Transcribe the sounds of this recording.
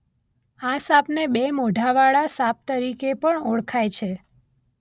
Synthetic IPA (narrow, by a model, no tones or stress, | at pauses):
asapnebemoɖʱaʋaɭasap̚t̪əɾikepəɳoɭkʰajt͡ʃʰe